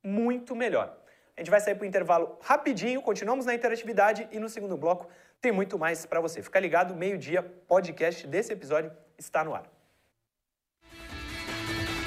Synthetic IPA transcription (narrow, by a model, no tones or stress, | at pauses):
mũj̃t̪ʊmeʎɔ̰ɾ | aʒẽt͡ʃɪvajsaiɾp̬ɾʊĩt̪eɾvalʊhapid͡ʒĩɲʊkõnt͡ʃinuɐ̃mʊznɐĩt̪eɾat͡ʃivid̪ad͡ʒɪʔɪnʊseɡũd̪ʊblɔkʊ̥ | t̪ẽj̃mũj̃t̪̬ʊmajspɾɐvosefi̥kaɾliɡad̪ʊmejʊd͡ʒiɐpod͡ʒikɛst͡ʃɪd̪esɪepizɔd͡ʒʊ | ɪst̪anʊa̰ɾ